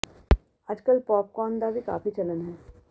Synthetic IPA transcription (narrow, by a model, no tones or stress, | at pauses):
ɐd͡ʒkəlpɔːp̚kɔːnd̪aːzika̰ːfit͡ʃɐlənɦɛː